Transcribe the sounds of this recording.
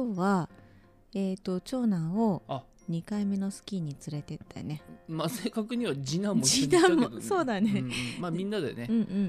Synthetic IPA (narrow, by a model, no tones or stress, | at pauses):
koːβa | e̞ːt̪o̞t͡ɕo̞ːnão̞ | ɲ̟ikaime̞no̞sɨ̥kʲiɲ̟it͡sɨɾe̞t̪e̞t̪ːa̰ne̞maseːkakɯ̟ɲ̟iβad͡ʑinãmːod͡ʑinãoso̞ːd̪anemamʲĩnːad̪ḛneɯ̟̃ɴɯ̟̃ɴ